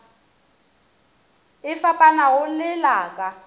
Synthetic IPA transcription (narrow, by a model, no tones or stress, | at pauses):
ɪfapʼanaɣʊlɪlaːkʼa